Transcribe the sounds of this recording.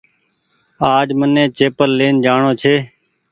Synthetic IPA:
aːd͡ʒmənẽːt͡ʃeːpəlːeːnd͡ʒaːɳoːt͡ʃʰeː

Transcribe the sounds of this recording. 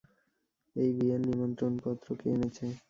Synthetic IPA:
ejbienːimɔnt̪ɾonpɔt̪ːɾokeenet͡ɕʰe

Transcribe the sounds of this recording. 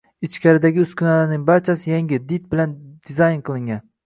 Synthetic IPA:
ɪt͡ʃkʲʰaɾɪd̪aɡʲɪʊskʲʰʊnalnɪŋbaɾt͡ʃʰasɪjaŋɡʲɪd̪it̪̚bɪland̪̥ɪzajnqʰɨlˠɪŋɡʲan

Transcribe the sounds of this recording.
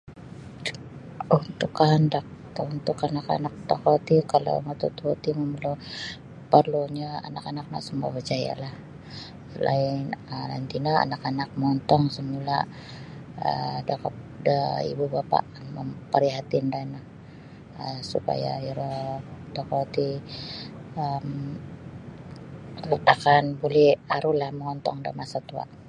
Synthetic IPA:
unt̪ʊkaandak̚ | t̪unt̪ʊkanaka̰nak̚t̪okɔt̪ikalo̰mat̪ut̪uot̪iməməlo | pərloɲaa̰nakanak̚na̰səmabət͡ʃaja̰lah | la̰ɪnəla̰nt̪inaa̰nakanak̚mɔnt̪ɔŋsəmula | ə̰dakɔp̚ | dəḭbubapa̰ʔməmpəɾiɦat̪indanah | əsupa̰ja̰iɾɔdakot̪i | əm | ut̪akanbolɛhaɾulahməŋɔnt̪ɔŋda̰masat̪ua̰ʔ

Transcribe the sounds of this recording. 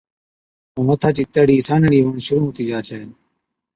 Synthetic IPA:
oːmot̪ʰaːt͡ʃiːt̪əɽiːsaːnɳiːɦuːnʃʊɾũːɦoːt̪iːd͡ʒaːt͡ʃʰɛː

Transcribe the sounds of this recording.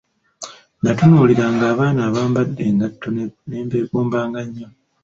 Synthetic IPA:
natunuːliɾaŋɡaːβaːnaːβaːmbadːe̞ːŋɡatːoneːmekoːmbaːŋɡaɲːa

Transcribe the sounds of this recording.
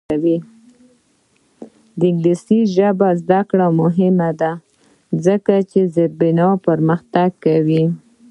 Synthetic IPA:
awi | d̪əɪŋɡlisiʒəbazd̪akɽamʊɦɪmad̪a | zəkat͡ʃezəɾbɪnɑpəɾməxt̪aɡ̚kawi

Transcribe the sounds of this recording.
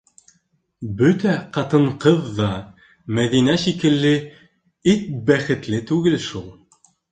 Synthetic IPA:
bɵt̪æqɑt̪ɤɴqɤðːɑ | mæðinæʃikɘ̆lːɘ | it̪̚bæχɘ̆t̪lɘt̪ʉɡɘlʃulˠ

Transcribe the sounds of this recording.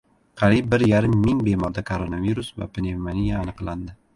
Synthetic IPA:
qʰɑɾip̚bːɪɾjaɾɪmːɪŋbe̞mɒɾd̪akʰoɾonaviɾʊsva̰pʰɪnevmanijaːnɨqland̪ɪ

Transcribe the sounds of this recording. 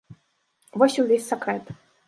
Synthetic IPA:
vɔsʲiwvʲesʲsʲɐkɾɛt̪

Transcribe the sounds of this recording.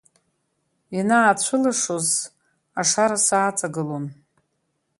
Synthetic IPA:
inaːt͡ɕʷʰɨlaʂoz | aʂaɾasaːt͡sʼaɡɨlon

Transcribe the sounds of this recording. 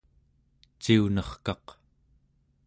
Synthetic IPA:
t͡ʃiunʌχkɑq

